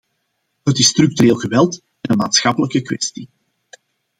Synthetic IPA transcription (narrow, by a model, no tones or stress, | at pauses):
ɦətɪstɾʏk̚tyɾeːlˠɣəʋɛlˠt | ɛnənmaːt̪sxɑpələkəkwɛ̰sti